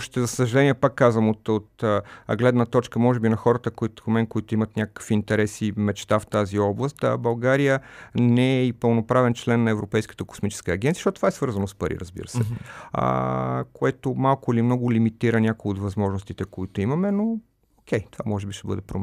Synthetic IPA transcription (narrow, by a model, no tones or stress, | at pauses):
ʃt̪ɛzɐsəʒɐlɛnʲiɛpakːazvɐmot̪ot̪əɡlɛd̪nət̪ɔt͡ʃkəmɔʒɛbinɐxɔɾət̪əkoit̪fomɛnkoit̪ʊimət̪nʲakə̥kə̥fiint̪ɛɾɛsimɛt͡ʃt̪aft̪aziɔblˠəst̪a̰bɐlˠɡaɾijənɛɛɛipəlˠnopɾavɛnt͡ʃlɛnːɐɛvɾopɛjski̥t̪əko̥smit͡ʃɛ̥skiɐɡʲɛnt̪i̥əʃt̪ot̪ːvaɛsvɤɾzənospəɾḭɾəzbḭɾəsɛa̰koɛt̪omalˠkʊilimnɔɡʊlimit̪iɾənʲakojot̪vɐzmɔʒnost̪it̪ɛkoit̪oimɐmɛno | okʰʲɛjt̪ova̰mɔʒɛbiʃt̪ɛbɤ̰d̪ɛpɾo̰